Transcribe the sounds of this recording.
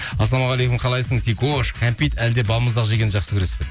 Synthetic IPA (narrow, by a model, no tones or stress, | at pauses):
ɑsɑmoʁɑlˠejkʊmqʰɑlˠɑjsəɴsikoʃkʲʰampʲit̪ælɪd̪e̞bɑlˠməzd̪ɑʁəʒeɡʲe̞nɪʒɑqsəkʲʰʏɾe̞spʲe